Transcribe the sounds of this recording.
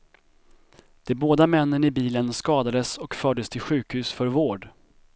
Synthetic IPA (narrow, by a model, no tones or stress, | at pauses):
d̪̥ɛboːd̪amɛnːəɳɪbiːlənskɑːd̪ad̪əsɔkfœːɖəst̪ʰɪlɧʉ̟ːkhʉ̟ːsfœɾvoːɖ